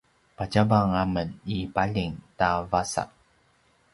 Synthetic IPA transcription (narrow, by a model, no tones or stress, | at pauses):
pat͡ɕabaŋamənipaʎiŋtavasa̰ʔ